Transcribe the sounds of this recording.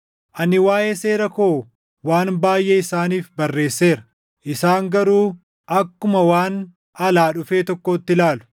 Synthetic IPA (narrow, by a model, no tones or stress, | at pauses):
ʔɐnɪwaːʔe̞ːse̞ːɾɐkoː | waːnbaːjʔeɪsaːniːfbɐrːe̞ːsːe̞ːɾɐ̥ | ʔɪsaːŋɡɐɾuː | ʔɐkːʊmɐwaːn | ɐlaːᶑʊfe̞ːt̪ɔkːot̪ːɪlaːlʊ̥